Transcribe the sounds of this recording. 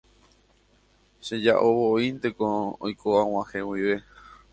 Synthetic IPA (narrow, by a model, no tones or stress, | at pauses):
ʃed͡ʒaʔoβoint̪ekõo̰jkʰoãw̃ãhẽwiʋe̞